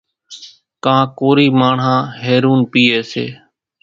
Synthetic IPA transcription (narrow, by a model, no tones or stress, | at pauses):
kãːkoːɾiːmaːɳ̤ãːɦeːɾuːnpiːeːsḛː